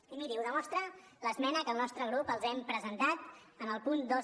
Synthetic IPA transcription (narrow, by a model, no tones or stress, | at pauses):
imiɾiuðəmɔst̪ɾələzmɛnəkəlˠnɔst̪ɾəɣ̞ɾupəlˠzɛmpɾəzənt̪at̪ənəlˠpund̪o